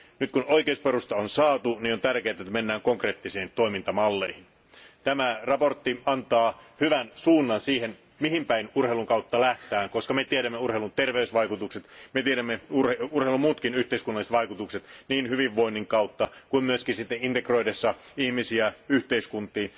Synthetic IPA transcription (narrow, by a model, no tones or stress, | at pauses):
nyt̪̚kunoikeusperust̪ɑonsɑːt̪uniːnont̪ærkeːt̪æet̪ːæmenːæːŋkoŋkreːt̪ːiseːnt̪o̞imint̪ɑmɑlːeihin | t̪æmærɑpo̞rt̪ːiɑnt̪ɑːhyʋænsuːnːɑnsiːhen | miɦimpæinurheiluŋkɑut̪ːɑlæht̪æːŋko̞skɑmet̪ieɾæmːeurhelunt̪erʋeysʋɑjkut̪ukset̪met̪ieɾæmːeurheurheilumuːt̪kinyht̪eiskunːɑliset̪ʋɑikut̪ukset̪niːnhyʋiʋːo̞inːiŋkɑut̪ːɑkuimmyøskinsit̪ːeint̪ekro̞idesːɑihmisiæyht̪eiskunt̪ˑiːn